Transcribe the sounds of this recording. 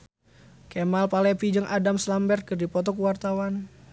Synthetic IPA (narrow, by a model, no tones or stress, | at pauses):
kemalpalɛpid͡ʒəŋʔadamslambɛrt̪̚kərdipɔt̪ɔkuwart̪awan